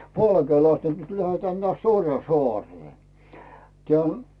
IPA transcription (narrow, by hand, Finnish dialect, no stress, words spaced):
pɑlkeːlɑstɑ̥ nĕt tulʲ tæhæ nĕæˑts orjɑn̞soɑˑreː tĭæˑ